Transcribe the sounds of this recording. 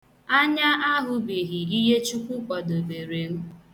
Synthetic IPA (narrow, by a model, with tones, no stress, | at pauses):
a˦ɲa˦ʔa˦ɦʊ˨bi˨ɣi˨i˦ɦe˦t͡ʃu˦kʷʊ˦kʷɔ˨do˨be˨ɾe˨ŋ̩˦